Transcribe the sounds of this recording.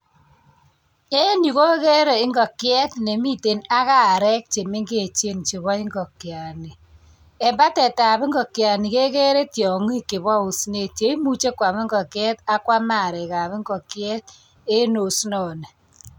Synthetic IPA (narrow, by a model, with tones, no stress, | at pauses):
e˦ni˨ko˦ke˦ɾe˨ɪ˦ŋɡɔ˨kjɛ˦tne˨mi˦˨te˨na˦ka˦˨ɾɛ˦k̚t͡ʃe˨mɪ˦ŋɡe˦˨t͡ʃe˦˨nt͡ʃe˨βɔ˦ɪ˦ŋɡɔ˨kja˨ni˨ | e˨mba˦tɛ˨ta˨bɪ˦ŋɡɔ˨kja˨ni˨ke˦ke˦ɾe˦tjɔ˨ŋi˦ke˨bwɔ˦u˨sne˦˨tje˨˦i˦mu˦t͡ʃe˦kwa˨mɪ˦ŋɡɔ˨kjɛ˦ta˦kwa˦ma˦˨ɾɛ˨ka˨bɪ˦ŋɡɔ˨kjɛ˦t̚ | e˦no˨snɔ˨ne˨